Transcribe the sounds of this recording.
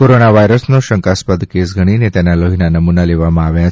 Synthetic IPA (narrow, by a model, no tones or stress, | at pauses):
koɾonaʋajɾəsnoɕəŋkaspəd̪kesɡʱəɽ̃inet̪janːaloɦinanəmunaleʋamaaʋjãt͡s